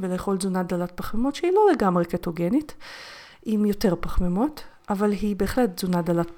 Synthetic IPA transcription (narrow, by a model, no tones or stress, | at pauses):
veleeχo̞lzunad̪alat̚paχmemotʃeilo̞le̞ɡamʁeketoɡe̞nit | imjo̞te̞ʁpaχmemot | avalɦibeːχle̞tzunadalatp